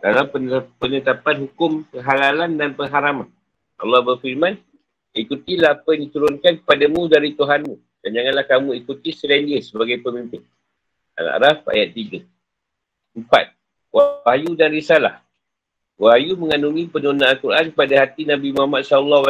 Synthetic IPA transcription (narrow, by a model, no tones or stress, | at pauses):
dalapəpənət̪apanɦukʊmkəɦalalandanpəŋɦaɾaman | ʔɑ̰lːɔhbərfiɾmãn | ikut̪ilaapjndit̪uɾʊnkankə̥padamũdaɾit̪uɦanmũ | d̥and͡ʒaŋanlahkamũikut̪isəlandiəsəbaɡajpəmimpɪn | a̰na̰ʔɾafa̰jat̪ːiɡa | əmpa̰t̪̚ | waahajudanɾisala̰h | waɦajuməŋanumĩpənunaːnkuɾʔankəpadahat̪inabimuamat̪̚saulːɔwa